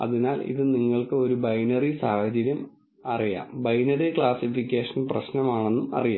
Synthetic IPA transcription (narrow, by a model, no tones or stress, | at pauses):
ɐ̰ðinaːlḭðɨniŋːɐɭkɨo̞ɾubɐjnɐrisaːhɐd͡ʑɐɾjɐm | ɐrija̰ːmbɐjnɐrikɭaːsifikʲːeːʂɐnprɐɕnɐmaːɳe̞nːumɐ̰rijaː